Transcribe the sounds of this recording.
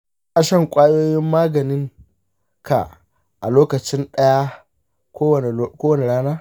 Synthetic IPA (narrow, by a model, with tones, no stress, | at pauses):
ʔa˨ʃɐ˦˨ŋkʷʼaː˦joː˦jɪ˦mːaː˦ɡɐ˨nɪ˦ŋ | ka̰˨ʔ | ʔa̰˨loː˦kɐ˨t͡ʃɪ˦nɗɐ˦ja˦ | kʷoː˦wkʷoː˦wɐ˨ne˨ɽaː˦naː˦